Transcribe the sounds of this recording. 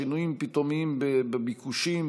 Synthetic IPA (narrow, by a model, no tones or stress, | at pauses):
inujimpit̪omimbebebikuʃim